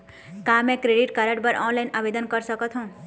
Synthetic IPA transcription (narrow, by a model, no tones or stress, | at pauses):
kãmɛ̃kɾeɖiʈkaɾəʈbəɾʔɔnlainabed̪ənkəɾsəkət̪ʰɦũ